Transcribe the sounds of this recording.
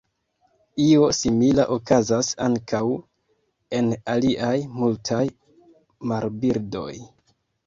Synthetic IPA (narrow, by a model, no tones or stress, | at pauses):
io̞similaʔokazasaŋkʰaw | e̞naliʔajmultʰaj | maɾbiɾdo̞̰j